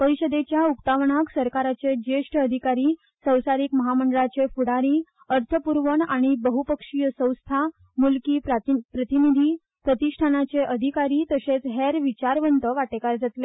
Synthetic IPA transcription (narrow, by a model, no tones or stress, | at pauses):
pəɾiɕəd̪et͡ɕjaukt̪aʋɳaksəɾkaɾat͡sed͡ʑeʂʈʰəd̪ʱikaɾiː | sə̃w̃saɾikməɦaməɳɖɭat͡sefuɽaɾiː | əɾt̪ʰəpuɾʋəɳaɽ̃ibəɦupəkʂijəsə̃w̃st̪ʰa | mulkiːppɾət̪inid̪ʱiː | pɾət̪iʂʈʰanat͡seʔəd̪ʱikaɾiːt̪əset͡sɦeɾʋit͡ɕaɾʋənt̪əʋaʈekaɾd͡zat̪le